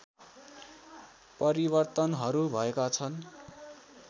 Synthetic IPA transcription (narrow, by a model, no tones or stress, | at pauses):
pʌɾibʌrt̪ʌnɦʌɾubʱʌekat͡sʰʌn